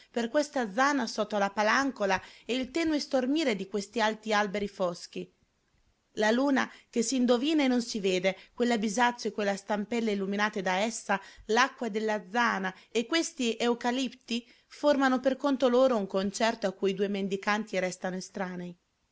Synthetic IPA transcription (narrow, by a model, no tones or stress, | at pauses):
perkwest̪ad̪zːaːnasɔt̪ːolapalaŋkolaɛilt̪ɛːnoest̪ormiːɾed̪ikwest̪ialt̪ialbeɾifɔsk̟i | laluːnak̟esːiːnd̪oviːnaenːonsiveːd̪ekwelːabizat̪sːoekːwelːast̪ampɛlːeilːuminaːt̪ed̪aɛsːalakːwad̪elːad̪zːaːnaekːwest̪iʔeukalipt̪i | formanoperkont̪oloːɾouŋkont͡ʃɛrt̪oakːujid̪uːemend̪ikant̪iɾɛst̪anoest̪ɾaːnei